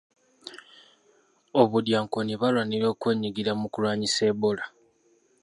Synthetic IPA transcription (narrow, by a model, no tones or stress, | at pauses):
oβudjaːŋkoniβalwaniɾo̞ːkweːɲiɡiɾamukulwaːɲise̞ːbola